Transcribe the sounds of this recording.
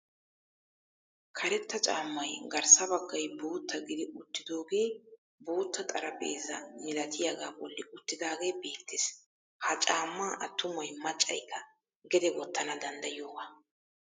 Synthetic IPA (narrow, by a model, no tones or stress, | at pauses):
kʰɐɾɛt̪ːɐt͡ʃʼaːmːɐjɡɐɾsɐbɐɡːɐjbuːt̪ːɐɡɪd̪ɪʊt̪ːɪd̪o̞ːɡe̞ː | buːt̪ːɐt̪ʼɐɾɐbḛːzːɐmɪlɐt̪ɪjaɡaːbɔlːɪʔʊt̪ːɪd̪aːɡe̞ːbe̞ːt̪ːɪs | hɐt͡ʃʼaːmːaːʔɐt̪ːʊmɔjmɐt͡ʃʼːɐ̰jkːɐ | ɡɛd̪ɛɡɔt̪ːɐnɐd̪ɐnd̪ɐjɪjo̞ːɡa